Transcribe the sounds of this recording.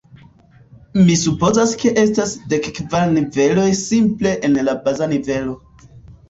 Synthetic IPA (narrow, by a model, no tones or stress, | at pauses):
misupo̞zaske̞ʔe̞stasde̞kkvaɾnive̞lo̞jsimple̞ʔenlabazanive̞lo̞